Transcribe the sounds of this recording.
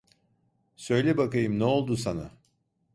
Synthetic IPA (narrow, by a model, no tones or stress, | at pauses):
sø̞jlʲebakajɯmnɛo̞lˠd̪usana